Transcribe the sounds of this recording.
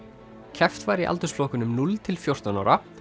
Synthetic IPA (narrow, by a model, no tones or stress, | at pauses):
cʰɛft̪vajɾiʔa̰lt̪ʏsflɔːhkʏnʏmnult̪ʰɪlfjowr̥t̪anawɾa